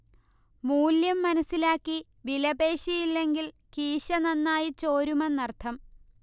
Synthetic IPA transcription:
muːljɐmːɐnɐsːilaːkːi | ʋilɐbeːɕijilːe̞ŋɡil | kiːɕɐnɐnːaːjit͡ɕoːɾumɐnɐrt̪ʰɐm

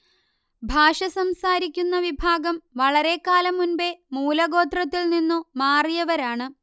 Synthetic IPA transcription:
bʱaːʂɐsɐmsaːɾikʲːunːɐʋibʱaːɡɐmʋɐɭɐɾe̞kːaːlɐmːunbe̞muːlɐɡo̞ːt̪rɐt̪ːilninːumaːrijɐʋɐɾaːɳɨ

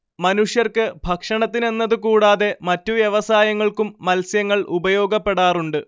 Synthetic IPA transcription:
mɐnuʂjɐrkɨbʱɐkʂɐɳɐt̪ːine̞nːɐðɨkuːɽaːðe̞mɐtːuʋjeʋɐsaːjɐŋːɐɭkumːɐlsjɐŋːɐɭʔubɐjo̞ːɡɐpːe̞ɽaːruɳɖɨ

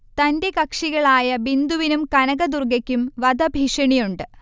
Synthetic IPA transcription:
t̪ɐnde̞kɐkʂiɣɐɭaːjɐbind̪uʋinumkɐnɐɣɐd̪urɡɐkʲːumʋɐd̪ɐbʱiʂɐɳijuɳɖɨ

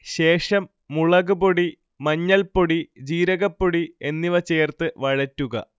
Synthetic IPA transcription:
ɕe̞ːʂɐmː | uɭɐɣɨboɽi | mɐɲːɐlpoɽid͡ʑiːɾɐɣɐpːoɽie̞nːiʋɐt͡ɕeːrt̪ɨʋɐɻɐtːuɣɐ̰

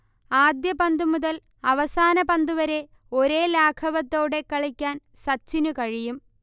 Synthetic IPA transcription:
aːd̪jɐpɐnd̪umuðɐl | ɐʋɐsaːnɐpɐnd̪uʋɐɾe̞ | o̞ɾe̞ːlaːkʰɐʋɐt̪ːo̞ːɽe̞kːɐɭikʲːaːn | sɐt͡ɕːinukɐɻijum

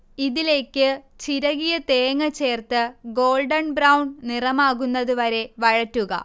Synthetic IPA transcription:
iðile̞ːkːɨ | t͡ɕiɾɐɣijɐt̪eːŋːɐt͡ɕːe̞ːrt̪ɨɡo̞ːlɖɐnbrɐwɳnirɐmaːɣunːɐðuʋɐɾe̞ʋɐɻɐtːuɣɐ̰

